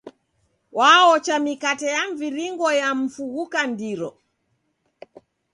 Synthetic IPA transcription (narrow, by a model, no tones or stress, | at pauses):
waɔt͡ʃamikatɛjaɱviɾiŋɡɔjam̩fuɣukandiɾɔ